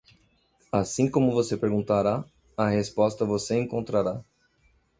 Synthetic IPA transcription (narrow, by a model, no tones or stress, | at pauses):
asĩkõmʊvosepeɾɡũnt̪aɾa | ɐhespɔst̪ɐvoseẽŋkõnt̪ɾaɾa